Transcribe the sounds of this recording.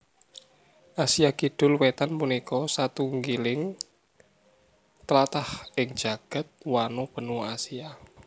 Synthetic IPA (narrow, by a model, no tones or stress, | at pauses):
ʔasiakiɖ̥ʊ̤lwet̪anpunikɔsat̪uŋɡilɪŋ | t̪əlat̪ahɪŋ̥d͡ʒ̥a̤ɡ̥a̤t̪̚wanob̥ə̤nuasija